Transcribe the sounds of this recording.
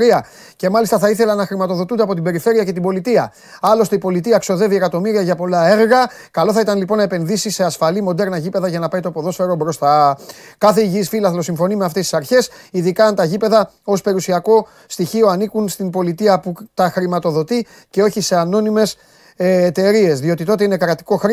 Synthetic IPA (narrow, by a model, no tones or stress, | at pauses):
ɾiɐ | ce̞mɐlist̪ɐθɐiθe̞lɐnɐxɾimɐt̪o̞ðo̞t̪und̪eɐpo̞t̪ibe̞ɾife̞ɾiɐcet̪ibo̞lit̪iɐ | ɐlo̞st̪e̞ipo̞lit̪iɐkso̞ðe̞vie̞kɐt̪o̞miɾiɐʝɐpo̞lɐe̞ɾɣɐ | kɐlo̞θɐit̪ɐnlipo̞nɐepe̞nðisise̞ɐsfɐlimo̞d̪e̞ɾnɐʝipe̞ðɐʝɐnɐpɐjt̪o̞poðo̞sfe̞ɾo̞bɾo̞st̪ɐkɐθe̞iʝiːsfilɐθlo̞siɱfo̞nimeɐft̪esi̥sɐɾçe̞siðikɐːnt̪ɐʝipe̞ðɐ | o̞spe̞ɾusiɐko̞ | st̪içio̞ɐnikunst̪imbo̞lit̪iɐput̪ɐxɾimɐt̪o̞ðo̞t̪i | ce̞o̞çise̞ɐno̞nime̞s | eːt̪e̞ɾie̞zðio̞t̪it̪o̞t̪einekɾɐt̪i̥ko̞xɾ